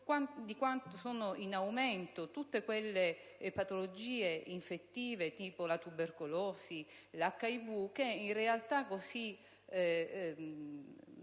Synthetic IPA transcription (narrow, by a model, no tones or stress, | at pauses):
kwand̪ikwant̪osoːnoʔinawment̪ot̪ut̪ːekwelːe | pat̪olod͡ʒiːeiɱfet̪ːiːvet̪iːpolat̪uberkoloːsilakːaivukeinrealt̪akːosi